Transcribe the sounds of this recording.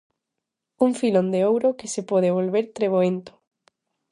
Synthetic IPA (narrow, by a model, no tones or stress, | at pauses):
uŋfilond̪eowɾokesepɔð̞eβ̞olβeɾt̪ɾeβ̞oent̪o̥